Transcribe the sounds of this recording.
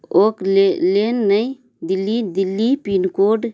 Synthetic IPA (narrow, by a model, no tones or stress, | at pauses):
oklelenːəj | d̪ilːid̪ilːipinkoɖ